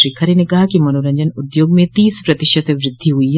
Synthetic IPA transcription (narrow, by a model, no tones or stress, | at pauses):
ɾiːkʰaɾenekɐɦakimɐnoːɾə̃ɲd͡ʒənʊd̪joːɡmẽt̪iːspɾɐt̪ɪʃət̪eʋɾɪd̪ʱːiɦuiɦ